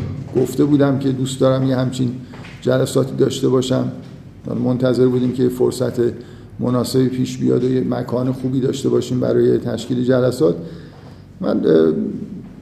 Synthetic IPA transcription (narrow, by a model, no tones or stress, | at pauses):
ɡ̥oft̪e̞buːd̪æmcʰe̞d̪uːst̪d̪ɒːɾæmjehæmt͡ʃʰin | d͡ʒælæsɒːt̪ʰiːd̪ɒːʃt̪e̞bɒːʃæm̰ | mo̞nt̪ʰæze̞ɾbuːd̪iːmcʰejefoɾsæt̪ʰe̞ | monɒːsebiːpʰiːʃbijɒ̰ːd̪ojemækʰɒːnexuːbiːd̪ɒːʃt̪e̞bɒːʃiːmbæ̰ɾɒːje̞t̪ʰæʃciːled͡ʒælæsɒːt̪ | mæ̰n